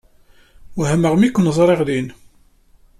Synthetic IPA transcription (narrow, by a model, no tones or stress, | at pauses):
wɦæməʁmikʷːnəzˤɾˤeʁlin